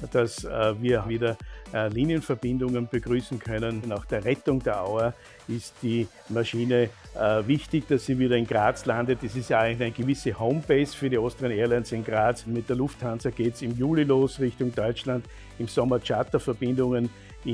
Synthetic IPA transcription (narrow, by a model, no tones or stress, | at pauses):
d̥asviːɐviːdɐliːnjənfɛɐb̥ɪ̃ndʊŋənb̥əɡ̥ʁyːsn̩kʰœnənnaːxd̥eːɐʁɛtʊŋdeːɐʔa̰ʊɐ | ɪstd̥iː | maʃiːnəvɪçtɪçd̥asːiːviːɾɐɪnɡʁaːt͡slãndətɛsɪstjaæɪnlçæɪnəɡ̥əvɪsəhoʊmpeɪsfyːɐɾiostəʁəneːɐlɛnsɪnɡʁaːt͡smɪt̚d̥eːɐlʊfthant͡sɐɡ̥eːtsɪmjuːliloːsʁɪçtʊŋdɔʏt͡ʃland̥ | ɪmsɔmɐt͡ʃatɐfɛɐbɪ̃ndʊŋən | ɪ